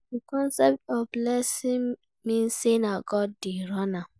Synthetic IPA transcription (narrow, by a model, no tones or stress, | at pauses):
dikɔ̃nsɛp̚tɔvblɛsĩŋ | mĩn̩senaɡɔd̚diɾɔna